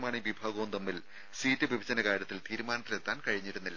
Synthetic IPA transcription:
maːɳiʋibʱaːɡɐːmt̪ɐmːil | siːtːɨʋibʱɐd͡ʑɐnɐkaːɾɾjɐt̪ːilt̪iːɾumaːnɐt̪ːilet̪ːaːnkɐɻiɲːiɾunːilːɐ

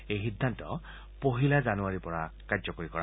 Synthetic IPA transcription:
ejxidʱːantɔ̰ | poɦilazanuaɹipɔɹakadzɔkoɹikɔɹa

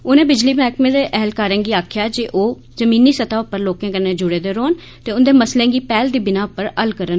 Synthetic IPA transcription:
oːnẽːbɪd͡ʒliːmɛːkmẽːd̪eːʔɛɦlkaːɾə̃ːnɡiːaːkʰjaːd͡ʒiʔoː | zəmĩːniːsət̪aːʊpːəɾloːkẽːkəɾnẽːd͡ʒʊɽeːd̪eːɾoːn | t̪eːʊnd̪eːməslẽːɡiːpɛːld̪iːbɪnãːʊpːəɾəlkəɾən

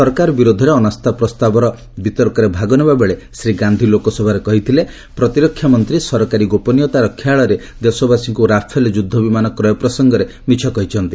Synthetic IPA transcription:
sɔɾkaɾɔbiɾod̪ʱɔɾeɔnast̪ʰapɾɔst̪abɔɾɔ | bit̪ɔɾkɔɾebʱaɡɔnebabeɭesɾiɡand̪ʱilokɔsɔbʱaɾekɔɦit̪ʰile | pɾɔt̪iɾɔkʰːjamɔnt̪ɾisɔɾɔkaɾiɡopɔnijɔt̪aɾɔkʰːjaːɭɔɾe | d̪esɔbasiŋkuɾapʰeld͡ʒud̪ʱːɔbimanɔkɾɔjɔpɾɔsɔŋɡɔɾe | mit͡ʃʰɔkɔɦit͡ʃʰɔnt̪i

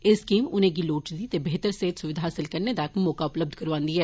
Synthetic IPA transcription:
ɪskiːmʊnẽɡiloːʈt͡ʃd̪iːt̪eːbeːt̪əɾseɦːt̪sʊʋɪd̪ʱaːɦaːsɪlkəɾned̪akmɔːkaʊpləb̚d̪ʱkəɾʋãːnd̪iːɦɛː

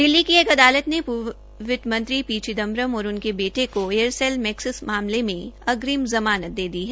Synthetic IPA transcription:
d̪ɪlːikieːkɐd̪aːlət̪nepʊ | ʋɪt̪mɐ̃nt̪ɾipiːt͡ʃid̪ɐ̃mbɾəmɔːɾʊnkebeːʈekoeəɾselmɛːksɪsmaːmlemẽɐɡɾimzɐmaːnət̪̚d̪eːd̪iɦɛː

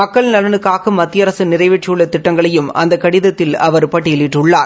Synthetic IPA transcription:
mɐkːɐɭnɐlɐnɯkːaːɣɐmɐt̪ːɪjɐɾɐsɯnɪɾɐɪʋɛʈ̚t͡ʃːɪjɯɭːɐt̪ɪʈːɐŋɡɐɭɐjɯmɐ̰nd̪ɐkːɐɽɪðɐt̪ːɪlɐʋɐɾɯpɐʈːɪɪɭɪʈːɯɭːaːɾ

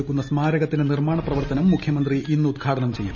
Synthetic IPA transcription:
ukːunːɐsmaːɾɐɣɐt̪ːinenirmaːɳɐprɐʋɐrt̪ɐnɐmːukʰjɐmɐnd̪riʔinːud̪ɡʰʱaːʈɐnɐmt͡ɕe̞jːṵ

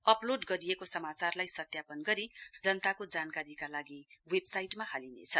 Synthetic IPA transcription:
ʌploɖɡʌɾijekosʌmat͡sarlajsʌt̪japʌnɡʌɾid͡zʌnt̪akod͡zankaɾikalaɡiwebsajʈmahalinḛt͡sʰʌ

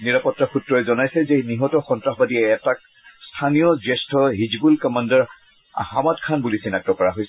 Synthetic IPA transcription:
niɹapɔtːaxutɹɔɛzɔnajsɛzɛniɦɔtɔxɔntɹaxbadiɛːtak̚ | stʰanijɔzɛstʰɔɦid͡ʒɡulkɔmandaɹ | hamatkʰanbulisinak̚tɔkɔɹaɦojsɛ

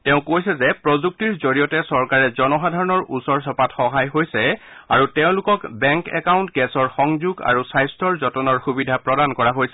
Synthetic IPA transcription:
tɛʊ̃kojsɛzɛpɹɔzuk̚tiɹzoɹijɔtɛsɔɹkaɹɛzɔnɔxadʱaɹɔnɔɹʔusɔɹsɔpatxɔɦajɦojsɛ | a̰ɹutɛʊ̃lʊkɔkbɛŋkɛ̰kaw̃ntɡɛsɔɹxɔŋzuɡa̰ɹusajstʰɔɹzɔtɔnɔɹxubidʱapɹɔdankɔɹaɦojsɛ

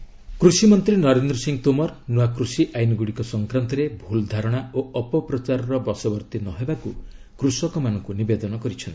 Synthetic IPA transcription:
kɾusimɔnt̪ɾinɔɾend̪ɾɔsiŋt̪omɔɾnuakɾusiʔajnɔɡuɽikɔsɔŋkɾant̪ɔɾebʱuld̪ʱaɾɔɽ̃aoɔpɔpɾɔt͡ʃaɾɔɾɔbɔsɔbɔɾt̪inɔɦebaku | kɾusɔkɔmanɔŋkunibed̪ɔnɔkɔɾit͡ʃʰɔnt̪i̥

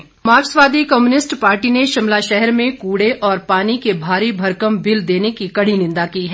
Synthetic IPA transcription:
maːsʋaːd̪ʱikɔmjuːnɪsʈpaːɾʈineʃɪmlaʃɛɦɛɾmẽkuːɽeʔɔːɾpaːnikebʱaːɾibʱɐɾkəmbɪld̪eːnekikɐɽ̤inɪ̃nd̪akiːɦɛ

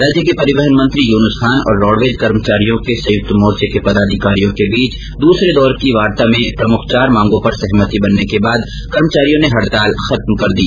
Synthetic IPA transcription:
ɾaːd͡ʒjəkepɐɾɪʋəɦənmɐ̃nt̪ɾijuːnəsxaːnɔ̰ːɾːɔːɽʋed͡ʒkɐɾmət͡ʃaːɾijõkesɐ̃jʊk̚t̪mɔːɾt͡ʃekepɐd̪aːd̪ʱɪkaːɾijõkebiːt͡ʃ | d̪uːsɾed̪ɔːɾkiʋaːɾt̪amẽpɾɐmʊkʰt͡ʃaːɾmãːŋɡõpɐɾsɛɦmət̪ibɐnːekebaːd̪ | kɐɾmət͡ʃaːɾijõneɦɐɽt̪aːlxɐt̪mkɐɾd̪i

